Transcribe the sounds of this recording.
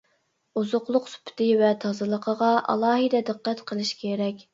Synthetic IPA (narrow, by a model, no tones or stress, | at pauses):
uzʊqlˠʊqsy̥pʰt̪ʰɪvɛt̪ʰɑzɨlˠəqʰəʁɑʔɑ̰lˠɑːɦɨd̪ɛd̪ɨqːɛt̪qʰəlˠɨʃkʲʰeɾɛkʲ